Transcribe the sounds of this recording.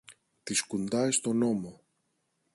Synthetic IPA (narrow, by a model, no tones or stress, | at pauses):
t̪iskund̪ɐest̪o̞no̞mo